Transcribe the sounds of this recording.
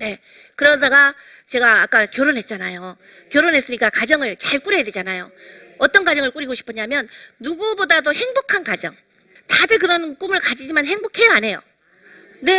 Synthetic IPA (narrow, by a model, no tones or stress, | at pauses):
ne̞ | kɯɾʌdaɡa | t͡ɕe̞ɡaːk͈akjoɾonɦe̞t̚t͡ɕ͈anajo | kjoɾonɦes͈ɯɲik͈akad͡ʑʌŋɯɭt͡ɕaɭk͈uɾejadwe̞d͡ʑanajo | ʌt͈ʌnkwad͡ʑʌŋɯɭk͈uɾiɡoɕʰi̥pʰʌɲamjʌnːuɡubodadohe̞ŋbokʰankad͡ʑʌ̰ŋ | tadɯɭk̬ɯɾʌnk͈umɯɭkad͡ʑid͡ʑimanɦe̞ŋbokʰe̞jʌane̞jo̰ | ne̞